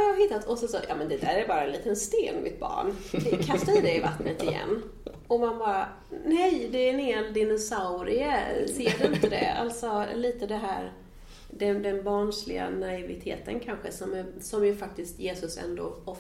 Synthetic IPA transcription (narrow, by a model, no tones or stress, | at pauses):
aɾhaɦɪt̪ːat̪ʰɔsɔsɔjɑ̰ːmɛnd̪ɛd̪æːɾæɾbɑːɾaɛnliːt̪ənst̪eːnmɪ̰t̪̚bɑ̰ːɳkʰast̪aɪd̪ɛva̰t̪nət̪ɪjɛ̰nː | ɔmanbɑːɾa | nɛjd̪ɛɛnheld̪ɪnʊsaʊɾɪəseːd̪ɵnt̪əd̪ɛ̰a̰lt̪sɔliːt̪əd̪ɛɦæ̰ːɾ | d̪ɛd̪ɛnbɑːɳʂlɪɡa̰naɪvɪt̪ʰḛːt̪ənkʰanɧəsɔmsɔmjɵfak̚t̪ɪst̪jeːsɵsɛ̰nd̪o̰ːɔf